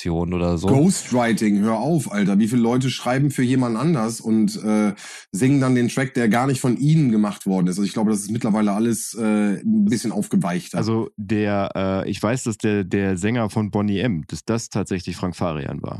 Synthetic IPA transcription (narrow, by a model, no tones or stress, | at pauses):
joːnʔoːdɐzoɡoʊstʁaɪtɪŋɦøːɐʔaʊfʔaltɐviːfiːləlɔʏt̬əʃʁ̥aɪbm̩fyːɐjeːmandn̩ʔandɐsʊntʔɛː | zɪŋəndandeːntʁ̥ɛk̚d̥eːɐɡaːɐnɪçtfɔnʔiːnənɡəmaχtv̥ɔɐdn̩ɪstʔazoɪçɡ̥laʊbədas̬ɪstmɪtlɐvaɪləʔaləsʔɛːbɪsçənʔa̰ʊfɡ̥əvaɪçtalzodeːɐʔɛːʔɪ̰çv̥aɪsd̥asd̥eːɐdeːɐzɛŋɐfɔnbɔniʔɛmd̥asd̥astʰaːtz̥ɛçlɪçfʁ̥aŋkfa̰ːʁḭa̰nva̰ːɐ